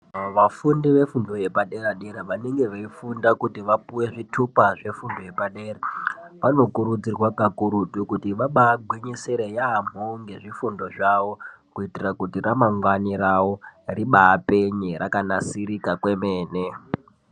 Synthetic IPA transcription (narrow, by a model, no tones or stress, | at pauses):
ʋafundiʋe̞fundo̞je̞paɗe̞ɾaɗeɾaʋane̞ŋɡe̞ʋaifundakutiʋapuwe̞ʐitʰupaʐe̞fundo̞je̞paɗeːraʋano̞kuɾud͡zirwakakuɾutukutiʋaɓaːɡʱwiɲiseɾejaːm̤oŋɡe̞ʐifundo̞ʐaʋo̞kuitirakutiramaŋwanirawo̞riɓaːpe̞ɲeɾʔakanasiɾikakwe̞meːne